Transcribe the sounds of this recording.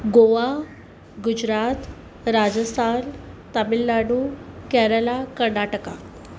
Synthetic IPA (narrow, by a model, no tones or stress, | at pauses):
ɡoʋa | ɡud͡ʑɾat̪ | ɾad͡zəst̪ʰant̪əmilːaɽukɛɾəlakəɾɳaʈəka